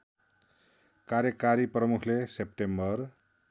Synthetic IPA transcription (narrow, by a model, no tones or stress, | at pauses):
kaɾjʌkaɾiprʌmukʰlesep̚ʈembʌr